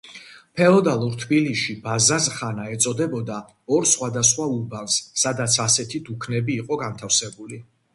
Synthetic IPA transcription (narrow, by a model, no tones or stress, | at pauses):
pʰɛɔd̪alˠuɾt̪ʰbiliʃibazazχanaɛt̪sʼɔd̪ɛbɔd̪a | ɔɾsχwad̪asχwauɾbansːad̪at̪sʰasɛt̪ʰid̪ukʰnɛbiːqʼɔɡant̪ʰafsɛbuli